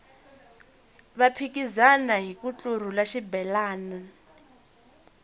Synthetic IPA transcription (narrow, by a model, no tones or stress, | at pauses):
βapʰik̬ʼizanaɦikut͡ɬʼur̤ulaʃibɛlaːna